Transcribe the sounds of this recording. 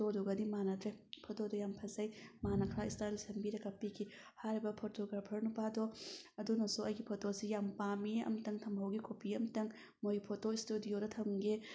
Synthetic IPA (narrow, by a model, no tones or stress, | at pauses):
oduɡɐdimanɐtʰɾepʰotodɐjampʰɐzɐjmanɐkʰɾaistaɾisɐmbiɾɐkɐpːikʰi | haɾibɐpʰotoɡɾapʰɐɾnupadoɐdunɐsuɐjɡipʰotosijampamiɐ̰mtɐŋtʰɐmɦɐwɡikʰopiɐmtɐŋ | mojpʰotoistudijodɐtʰɐmɡe